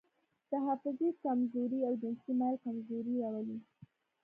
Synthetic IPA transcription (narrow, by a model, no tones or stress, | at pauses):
t̪aɦafʊzikamzuɾiawd͡ʒɪnsimalkamzuɾiɾawali